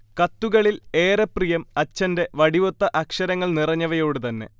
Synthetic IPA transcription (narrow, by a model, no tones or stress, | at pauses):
kɐt̪ːuɣɐɭile̞ːɾɐprijɐmɐt͡ɕːɐnde̞ʋɐɽiʋot̪ːɐʔɐkʂɐɾɐŋːɐɭnirɐɲːɐʋɐjo̞ːɽut̪ɐnːe̞̰